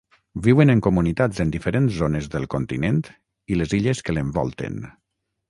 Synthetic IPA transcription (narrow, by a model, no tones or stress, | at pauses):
biwənəŋkumunit̪azend̪ifəɾenzzonezðəlˠkont̪ḭnent̪ | ileziʎeskəleɱbɔ̰lˠt̪ḛn